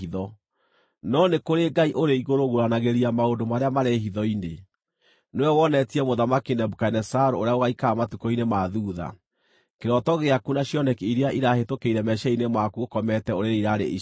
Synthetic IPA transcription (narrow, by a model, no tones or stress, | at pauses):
iðɔ | nɔnekoɾeɡaiʔoɾeiɣoɾoɣoɾanaɣeɾiamaondomaɾeamaɾeɦiðɔine | newɛwɔnɛtiɛmoðamakinɛbukanɛsaɾooɾeaoɣaikaːmatukɔinemaðuːða̰ | keɾɔtɔɣeakunaɕjɔnɛkiɾeaʔiɾahetokeiɾɛmɛʃɛinemwakuokɔmɛtɛoɾeɾeiɾaɾḛi